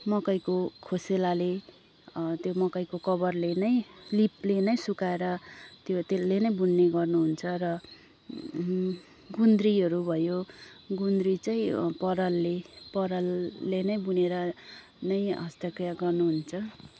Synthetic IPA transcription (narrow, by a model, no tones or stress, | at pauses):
mʌkʌjkokʰoselale | t̪jomʌkʌjkokʌbʌrlenʌj̃liplenʌjsukaeɾʌt̪jot̪elenʌjbunːeɡʌrnuɦunt͡sʰʌrʌ | ɡund̪riʌɾubʱʌjo | ɡund̪ɾit͡sajĩpʌɾʌlːepʌɾʌlːenʌjbuneɾʌ | nʌjɦʌst̪ʌkjaɡʌrnuɦunt͡sʰʌ